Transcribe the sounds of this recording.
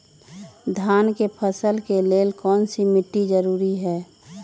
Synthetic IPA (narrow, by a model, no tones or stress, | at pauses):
d̪ʱaːnkepʰəsəlkeleːlkɔːnsimɪʈːid͡ʒəɾuːɾiɦɛː